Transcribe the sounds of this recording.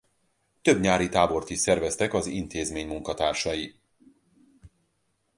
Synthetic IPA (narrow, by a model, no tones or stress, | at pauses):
t̪øbɲaːɾit̪aːbo̞rt̪iʃsɛrvɛst̪ɛkɒzḭnt̪eːzmeːɲmuŋkɒt̪aːrʃɒji